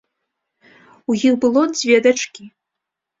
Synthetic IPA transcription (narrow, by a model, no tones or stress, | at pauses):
ujixbɨlˠɔd͡zʲvʲɛd̪at͡ʂkʲi